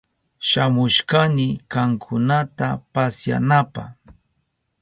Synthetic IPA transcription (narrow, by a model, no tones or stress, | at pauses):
ʃamʊʃkanɪkaŋkʰʊnat̪apasja̰napa̰